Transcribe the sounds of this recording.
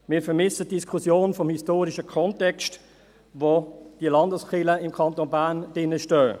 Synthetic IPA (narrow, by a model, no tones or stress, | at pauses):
mɪːɾfəɾmɪsətd̥iskʰʊsjoːnfɔmhistoːɾiʃəkʰɔntɛkst | vod̥iəlɑndəsχɪləɪmkʰɑntonbænd̥ɪnəʃtœː